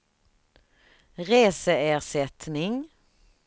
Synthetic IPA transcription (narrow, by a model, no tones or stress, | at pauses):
ɾeːsəeːʁʂɛt̪nɪŋ